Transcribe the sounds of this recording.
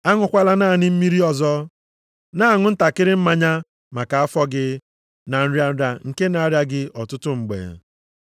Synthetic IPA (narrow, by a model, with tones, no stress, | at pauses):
a˦ŋʊ˦kʷa˦la˦naː˦˨nɪ˦m̩˦mi˦ɾi˦ɔ˨zɔ˦ | na˦a˦˨ŋʊ˦n̩˦ta˨kɪ˦ɾɪ˦m̩˦ma˦ɲa˦ | ma˨ka˨a˦fɔ˦ɡɪ˦ | na˨n̩˦ɾja˦n̩˦ɾa˨ŋ̩˨ke˦na˨˦ɾja˦ɡɪ˦ʔɔ˨tʊ˦tʊ˦ŋ͡m̩˨ɡ͡bḛ˨